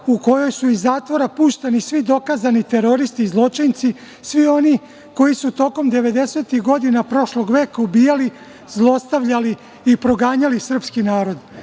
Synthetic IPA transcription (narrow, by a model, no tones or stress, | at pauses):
uko̞jo̞jsuizːaːt̪ʋo̞ɾapuːʃt̪enisʋid̪o̞kazanit̪e̞ɾo̞ɾist̪iːzlˠo̞t͡ʃijnt̪si | sʋio̞ni | ko̞jisut̪o̞ko̞md̪e̞ʋe̞d̪e̞seːt̪ixɡo̞d̪inapɾo̞ʃlo̞ɡʋe̞ːkaubiːjali | zlˠo̞st̪aʋʎaliː | pɾo̞ɡaːɲalisr̩pskinaːɾo̞d̪